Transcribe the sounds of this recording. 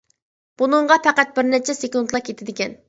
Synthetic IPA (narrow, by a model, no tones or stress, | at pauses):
b̥unɨɴʁɑpʰæqæt̪̚bɪɾnɛt͡ʃʰɛsekund̪lˠɑkʲʰet̪ʰɪd̪ɪkʲɛn